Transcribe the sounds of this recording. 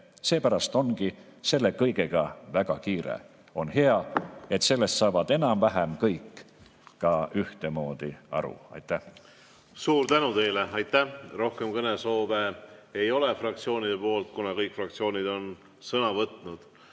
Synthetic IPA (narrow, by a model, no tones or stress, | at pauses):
se̞ːpæɾɑst̪o̞nɡi | se̞lːe̞kɤjɡe̞ɡ̥ɑvæɡ̥ɑ̰kiːɾḛ | o̞nhe̞ɑe̞t̪se̞lːe̞st̪sɑːvɑd̪e̞nɑmvæɦemkɤjkˑː | ɑʔyht̪e̞mo̞ːd̪̥iɑ̰ɾṵɑ̰jt̪ːˑæh | suːɾt̪ænut̪e̞jleɑjt̪ːˑæro̞hkemkɤneso̞ːveejo̞lefrɑk̚t̪sio̞ːnid̪̥epo̞ːlt̪̚kunɑkɤjkfrɑk̚t̪sio̞ːnid̪o̞n | sɤnɑvɤt̪ˑnud̪̥